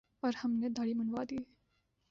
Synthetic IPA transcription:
ɔːɾhɐmned̪ʱaɽimɐnʋad̪iː

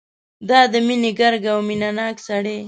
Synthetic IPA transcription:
d̪ɑd̪əmineɡaɾɡawminanɑːksaɽe

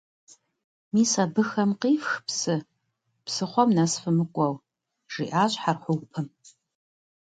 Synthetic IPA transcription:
miːsabɨxɐmqiːfxpsɨ | psɨχʷɔmnasfɨmɨkʷʼɐw | ʐ̥ḭʔaːɕʼħarħʷʊwpʰɨm

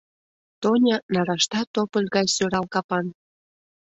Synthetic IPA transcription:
t̪onʲɑnɑɾɑʃt̪ɑt̪opəlʲɣɑjsøɾɑlkɑpɑn

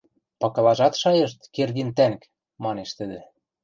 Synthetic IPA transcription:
pɑkɤ̆lɑʒɑt̪ʃɑjɤ̆ʃt̪kerɣint̪æŋk | mɑneʃt̪ɘ̆d̪ĕ

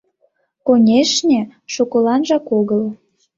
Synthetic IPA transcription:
konʲeʃnʲĕʃokolɑnʒɑkoɣəl

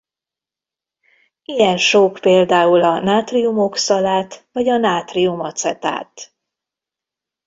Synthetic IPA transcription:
ijɛnʃoːkpeːld̪aːulɒnaːt̪riumo̞ksɒlaːt̪vɒɟɒnaːt̪riumɒt̪sɛ̰t̪a̰ːt̪

